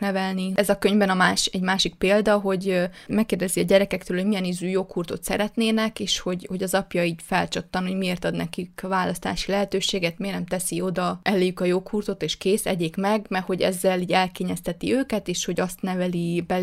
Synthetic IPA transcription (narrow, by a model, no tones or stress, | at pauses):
nɛvɛlniɛzɒkø̞ɲvbɛnɒmaːʃɛɟmaːʃik̚peːld̪ɒɦo̞ɟmɛkːeːrd̪ɛziɒɟɛɾɛkɛk̚t̪øːlho̞ɟmijɛnizyːjoːkhuːrt̪o̞̰t̪sɛ̰ɾɛt̪neːnɛkeːʃho̞ɟho̞ɟɒzɒpjɒiːɟfɛlt͡ʃɒt̪ːɒnho̞ɟmieːrt̪ɒd̪nɛkikvaːlɒst̪a̰ːʃilɛɦɛt̪øːʃeːɡɛt̪meːrnɛmt̪ɛsio̞d̪ɒʔɛlːeːjykɒjoːkhuːrt̪o̞t̪eːʃkeːsɛ̰ɟeːkmɛɡmɛho̞ɟɛ̰zːɛliːɟɛlkeːɲɛst̪ɛt̪iøːkɛt̪eːʃho̞ɟɒst̪nɛvɛlibɛ